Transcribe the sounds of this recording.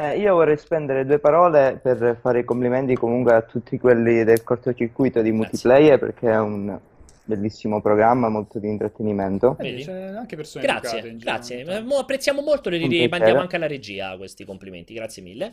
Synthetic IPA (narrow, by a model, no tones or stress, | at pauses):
ɛiːovɔrːɛjspɛnd̪eɾed̪uːepaɾɔːleperfaːɾeikomplimɛnt̪ikomuŋkweat̪ːut̪ʰːikwelːid̪elkort̪ot͡ʃirkujt̪od̪imult̪iplɛjɛrpḛrk̟ʰeɛun | belːisːimopɾoɡɾamːamolt̪od̪int̪ɾat̪ːenimɛnt̪oaŋkesoɡɾat̪ːjeɡɾa̰sːjemoapːɾet̪sːjaːmomolt̪oleimanɛaaŋkelaɾed͡ʒiːa̰kwest̪ikomplimḛnt̪iɡɾat̪sːjemḭlːe